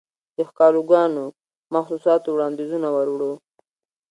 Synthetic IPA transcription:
d̪əxkɑloɡɑno | maxsusɑt̪owɽɑnd̪izunawaɾwɽo

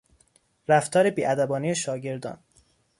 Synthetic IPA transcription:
ɾæft̪ʰɒːɾebiːʔæd̪æbɒːnijeʃɒːɟe̞ɾd̪ɒ̰ːn

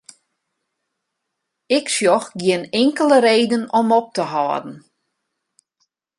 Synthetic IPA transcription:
ɪksjɔxɡɪənɪŋkələɾeːdənɔmɔp̚təɦɔːədn̩

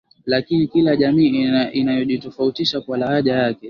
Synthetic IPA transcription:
lakinikilaʄamiːinajɔʄitɔfautiʃakwalahaʄajakɛ

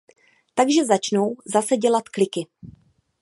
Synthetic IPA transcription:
t̪aɡʒɛzat͡ʃno̞wzasɛɟɛlat̪klɪkɪ

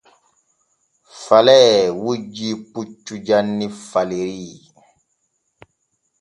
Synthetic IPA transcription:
falɛwud͡ʒiput͡ʃːud͡ʒanːifaleɾiː

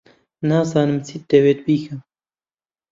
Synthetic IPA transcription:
naːzɑːnɨmt͡sʰit̪̚d̪eweːt̪̚biːkʰɐm

